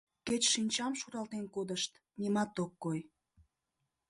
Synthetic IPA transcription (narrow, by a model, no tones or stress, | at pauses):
ket͡ɕʃinʲt͡ɕɑmʃuɾɑlt̪enkod̪əʃt̪ | nʲimɑt̪okːoj